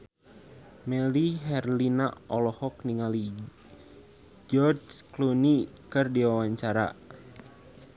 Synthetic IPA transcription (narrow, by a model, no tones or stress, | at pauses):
mɛliɦɛrlinaʔɔlɔhɔk̚niŋali | d͡ʒɔrd͡ʒklunikɨrdiwawaɲt͡ʃaɾa̰